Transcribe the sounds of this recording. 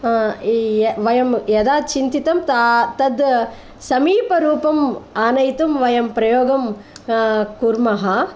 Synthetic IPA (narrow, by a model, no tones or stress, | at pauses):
ʋɐjɐmjɐd̪aːt͡ʃint̪it̪ɐmt̪at̪ɐd̪ | sɐmiːpɐɾuːpɐmaːnɐjt̪umʋɐjɐmpɾɐjoːɡɐm | kuɾmɐɦɐ